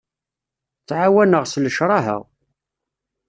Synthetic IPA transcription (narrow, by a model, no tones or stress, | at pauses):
t͡sːʕawænəʁsləʃɾˤɑɦə̰ʁ